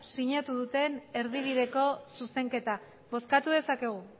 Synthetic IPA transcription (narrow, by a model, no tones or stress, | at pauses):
siɲat̪uðut̪e̞ne̞ɾðiβ̞iðe̞ko̞suse̞ŋke̞t̪a | βo̞skat̪uðe̞sake̞ɣ̞u